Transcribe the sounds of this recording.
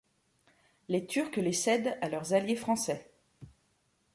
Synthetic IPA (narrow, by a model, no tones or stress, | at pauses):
let̪ʰyʁklesɛd̪alœʁzaljefχɑ̃sɛ